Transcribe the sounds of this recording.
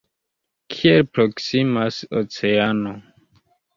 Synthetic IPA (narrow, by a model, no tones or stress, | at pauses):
kʰielpɾoksimaso̰t͡seano